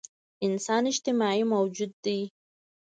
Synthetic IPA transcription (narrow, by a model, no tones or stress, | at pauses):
ɪnsɑːnɪʃt̪ɪmaʕimawd͡ʒud̪ːi